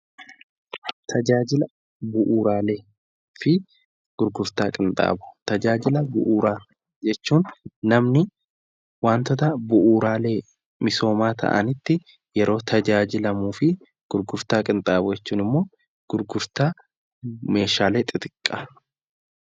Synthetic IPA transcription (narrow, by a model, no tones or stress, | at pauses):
t̪ʰɐd͡ʒaːd͡ʒɪlɐ | bʊʔuːɾaːle̞ː | fɪ | ɡ̥ʊɾɡʊɾt̪aːkʼɪnt̪ʼa̰ːbʊ̥t̪ɐd͡ʒaːd͡ʒɪlɐbʊ̰ʔuːɾaː | d͡ʒɛt͡ʃːuːnnɐmnɪ | waːnt̪ɔt̪ɐbʊʔuːɾaːle̞ː | mɪso̞ːmaːt̪ʰɐ̰ʔɐ̰nɪt̪ːɪ | jɛɾo̞ːt̪ʰɐd͡ʒaːd͡ʒɪlɐmuːfɪ | ɡ̥ʊɾɡʊɾt̪aːkʼɪnt̪ʼaːbʊd͡ʒɛt͡ʃːuːnɪmːo̞ː | ɡ̥ʊɾɡʊɾt̪aː | me̞ːʃaːleːt̪ʼɪt̪ɪkʼːɐ̥